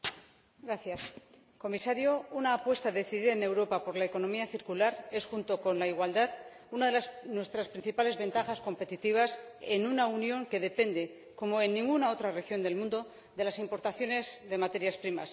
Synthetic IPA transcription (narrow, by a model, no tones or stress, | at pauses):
ɡɾaθjas | ko̞misaɾjo̞unaːpwe̞st̪aðe̞θiðiðaene̞wɾo̞papo̞ɾlaeko̞nõ̞miaθiɾkulaɾe̞sxunt̪o̞ko̞nlaiɣwald̪að | unaðelasnwe̞st̪ɾaspɾinθipale̞zβe̞nt̪axasko̞mpe̞t̪it̪iβ̞ase̞nunaunjo̞ŋke̞ðe̞pe̞nd̪e̞ | ko̞mo̞e̞nːĩŋɡunao̞t̪ɾare̞xjo̞nd̪e̞lmũnd̪o̞ | ðe̞lasimpo̞ɾt̪aθjo̞ne̞zðe̞mat̪e̞ɾjaspɾima̰s